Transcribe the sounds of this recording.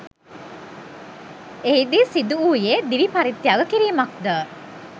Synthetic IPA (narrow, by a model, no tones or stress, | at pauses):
eɦid̪isid̪uuːjed̪iʋipaɾit̪ːjaɡəkiɾiːmak̚d̪əː